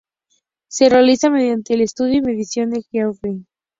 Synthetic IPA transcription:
se̞realisame̞ðjant̪e̞ːlest̪uðjoime̞ðisjo̞nd̪ekjawfe

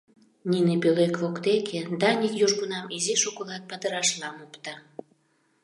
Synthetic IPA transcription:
nʲinepølekvokt̪ekʰed̪ɑnʲikjuʒɣunɑmiziʃukulɑt̪̚pɑt̪əɾɑʃlɑmopt̪ɑ

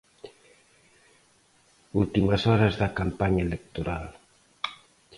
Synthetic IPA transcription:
ult̪imasɔɾaslakampaɲɛlɛk̚t̪oɾal

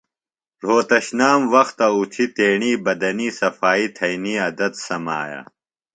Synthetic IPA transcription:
ɾ̤oːt̪ɐɕnaːmwɐxt̪ɐut̪ʰit̪eːɳiːbɐd̪ɐniːsɐfaːit̪ʰɐjniːɐd̪ɐt̪sɐma̰ːja̰ː

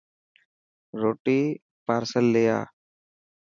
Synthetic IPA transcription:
ɾoːʈiː | paːɾsəlːeja̰ː

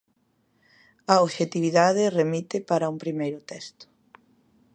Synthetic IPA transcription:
ɐoβʃet̪iβiðaðeremit̪epaɾɐumpɾimejɾʊt̪ɛst̪ʊ̥

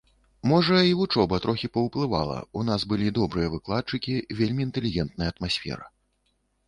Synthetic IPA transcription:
mɔʐɐiut͡ʂɔbɐt̪ɾʔɔxʲipɐwplˠɨva̰lˠɐ̰unasbɨlʲid̪ɔbɾɨjɐvɨklˠat̪̚t͡ʂɨkʲivʲelʲmʲiːnt̪ɛlʲiɣʲɛnt̪̚nɐjɐɐt̪masʲfʲɛ̰ɾɐ̰

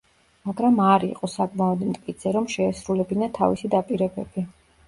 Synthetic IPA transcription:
maɡɾamaɾḭqʼɔsakʼmaɔd̪mt̪ʼkʼit̪sʰɛɾɔmʃɛːsɾulɛbinat̪ʰa̰visid̪apʼiɾɛbɛbi

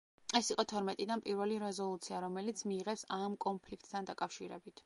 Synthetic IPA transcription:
ɛsiqʼɔt̪ʰɔɾmɛt̪ʼid̪anpʼiɾvɛliɾɛzɔlˠut̪sʰiaɾɔmɛlit̪sʰmiːʁɛpsamkʼɔnpʰlikʰt̪̚ʼt̪ʰand̪akʼafʃiɾɛbit̪ʰ

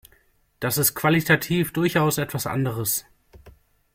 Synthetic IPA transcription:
d̥asɪst̚kv̥alitʰatʰiːfd̥ʊɐçaʊsɛtv̥asʔa̰ndəʁ̞əs

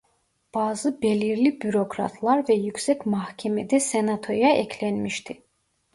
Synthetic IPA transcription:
b̥ɑːzɯbeliɾlibyɾo̞kʰɾɑ̰t̪ʰlˠɑɾvɛjycʲsɛcmɑhcʰɛmed̪ɛsenat̪ʰo̞jɑʔɛcʰlænmiʃt̪ʰi

